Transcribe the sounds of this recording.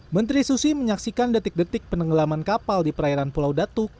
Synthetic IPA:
mənt̪ɾisusiməɲaksikandət̪ɪk̚dət̪ɪk̚pənəŋɡəlamankapaldipəɾaiɾanpulawdat̪uk̚

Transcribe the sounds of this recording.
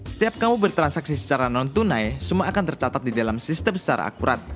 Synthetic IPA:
sə̥t̪iap̚kamubərt̪ɾansaksisə̥t͡ʃaɾanɔnt̪unajsəmuaʔːkant̪ərt͡ʃat̪at̪̚didalamsist̪əmsə̥t͡ʃaɾa̰ʔa̰kuɾa̰t̪̚

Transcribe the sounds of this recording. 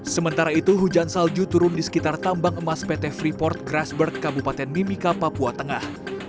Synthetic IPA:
səmənt̪aɾait̪uɦud͡ʒansald͡ʒut̪uɾʊndisə̥kit̪art̪ambaŋəmaspɛt̪ɛfɾipɔrt̪̚ɡɾasbərɡabupat̪ɛnmimikapapuat̪əŋah

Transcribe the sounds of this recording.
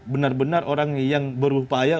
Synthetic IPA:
bənarbənarʔoɾaŋjaŋbəɾupaja

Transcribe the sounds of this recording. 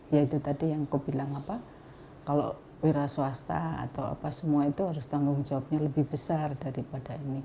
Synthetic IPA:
jait̪ut̪adijaŋkob̥ilaŋapa | kalo̰ | weɾasuast̪a̰a̰t̪awa̰pasəmuait̪uɦaɾʊst̪aŋɡʊŋd͡ʒawap̚ɲaləbɪhb̥əsardaɾipad̥aini

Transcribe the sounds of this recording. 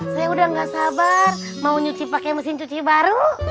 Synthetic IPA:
sajaudaŋɡasabar | mauɲut͡ʃipakɛməsɪnt͡ʃut͡ʃibaɾu

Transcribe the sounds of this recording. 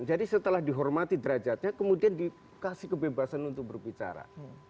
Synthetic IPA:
nd͡ʒadisət̪əlahdiɦɔrmat̪idəɾad͡ʒat̪̚ɲakəmudiandi | kasɪhkəbebasanunt̪ʊk̚bərbit͡ʃa̰ɾa̰

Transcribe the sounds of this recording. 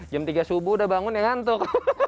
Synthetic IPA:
d͡ʒamt̪iɡasubudabaŋʊnjaŋant̪ʊk̚

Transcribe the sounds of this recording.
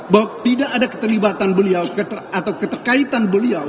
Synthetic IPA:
bawat̪idaʔːdakə̥t̪ərlibat̪anbəliawkət̪əat̪awkət̪ərkait̪anbəliaw

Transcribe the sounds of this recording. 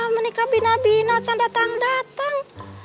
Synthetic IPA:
mənikabinabinat͡ʃandat̪aŋdat̪aŋ

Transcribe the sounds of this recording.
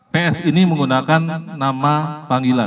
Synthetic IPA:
peɛsiniməŋɡunakanːamapaŋɡila

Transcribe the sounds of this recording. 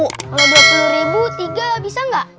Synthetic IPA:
ʔkaladuapuluɾibut̪iɡabisaŋɡaʔ

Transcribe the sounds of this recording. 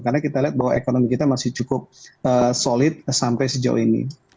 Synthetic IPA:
karnakit̪aliɦat̪̚baɦwaekonomikit̪amasɪht͡ʃukʊp̚əsolɪt̪̚sampajsəd͡ʒa̰ṵinḭ

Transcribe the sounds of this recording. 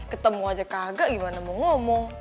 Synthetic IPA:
kət̪əmuad͡ʒakaɡaʔɡimanamɔŋɔmɔŋ

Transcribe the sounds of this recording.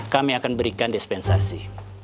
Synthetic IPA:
kamiakanbəɾikandispɛnsasi

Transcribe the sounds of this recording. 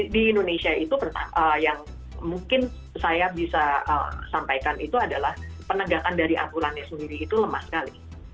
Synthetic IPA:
diːndonesiait̪upərt̪a̰əjaŋ | muŋkɪn | sajabisaə̰sampajkanit̪uadalahpənəɡakandaɾiʔa̰mpulanɲasəndiɾiːt̪uləmahsə̥kalḭ

